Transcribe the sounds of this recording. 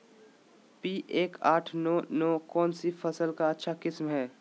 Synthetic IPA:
piːʔeːkaːʈʰnɔːnɔːkɔːnsifɐsəlkaɐtːʃʰakɪsmɦɛː

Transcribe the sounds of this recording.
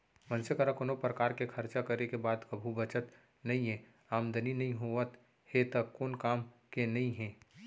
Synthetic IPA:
mə̃nsəkəɾakonopɾəkaːɾkekʰɐɾt͡ʃakəɾekebaːd̪kəbʱubət͡ʃət̪ | nɐɦĩɦɛ̃ː | aːmd̪ʱəninɐɦĩɦoət̪ | het̪əkːoːnkaːmkenɐɦĩɦɛ̃ː

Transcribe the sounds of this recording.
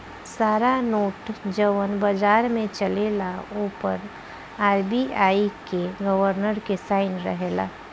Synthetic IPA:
saːɾanoːʈd͡ʒəʋənbad͡ʒaːɾmẽt͡ʃəlelauːpəɾ | aːɾbiʔaːikeɡəʋəɾnəɾkesaːɪnɾə̰ɦela̰ː

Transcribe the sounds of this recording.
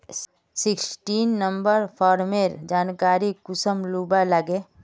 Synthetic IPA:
sɪksʈiːnːəmbəɾpʰɔːɾmeɾd͡ʒaːnkaːɾikʊsəmluːbaləɡẽ

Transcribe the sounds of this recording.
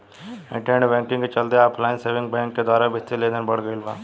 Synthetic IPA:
ɪ̰̃ʈẽːɳɖbɛ̃ːŋkɪ̃ŋɡet͡ʃəld̪eaːpʰlaːɪnseːʋɪ̃ŋk̚bɛ̃ːŋkːed̪waːɾabɪt̪ːileːnəɾbəɽ̤ɡəilbaː

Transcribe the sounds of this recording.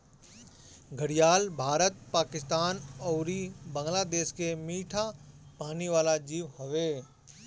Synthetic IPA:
ɡʱəɽijaːlbʱaːɾət̪̚paːkɪst̪aːnɔːɾibə̃ŋɡlaːd̪eːʃkemiːʈʰapaːniʋaːlad͡ʒiːʋɦoʋeː

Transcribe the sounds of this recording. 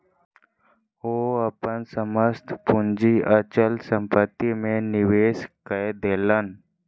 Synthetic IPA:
oːəpənsəməst̪ʰpʊnd͡ʒiʔət͡ʃəlsə̃mpət̪ːimẽnɪʋeːskəed̪eːlən

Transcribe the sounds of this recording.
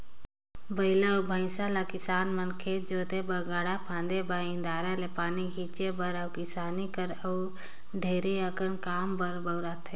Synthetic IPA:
bəɪlabʱaɪsalakɪsaːnmənkʰed͡ʒoːt̪ebəɡaːɽapʰãːnd̪ebaːɪ̃nd̪aːɾalepaːniɡʰʱiːt͡ʃebəɾəwkɪsaːnikəɾəw | ɖʱeːɾeəkənkaːmbəɾbəʊɾaːt̪ʰeː

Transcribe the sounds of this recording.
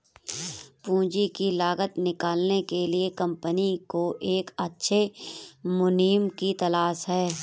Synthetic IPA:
pũːd͡ʒikilaːɣət̪nɪkaːlnekeliekɐ̃mpənikoʔeːkɐtːʃʰe | mʊniːmkit̪ɐlaːʃɦɛː

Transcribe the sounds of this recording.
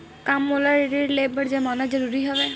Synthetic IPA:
kamːolaɾeɾiɾlebəɾd͡ʒamɔnad͡ʒɔɾuɾiɦɔbe

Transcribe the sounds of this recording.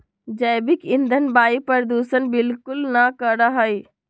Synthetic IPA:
d͡ʒəːbɪkɪ̃nd̪ʱənbaːipəɾd̪uːsənbɪlkʊlnakəɽaɦəi

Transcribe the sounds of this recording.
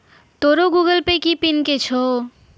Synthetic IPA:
t̪oɾoɡuɡəlpekipinket͡ʃʰo

